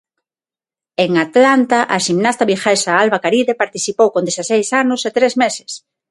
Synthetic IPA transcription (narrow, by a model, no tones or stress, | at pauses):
eŋat̪lant̪aʔaʃimnast̪aβixɛsaalβakaɾiðepaɾt̪iθipowkõnd̪esasejsanʊset̪ɾezmese̥s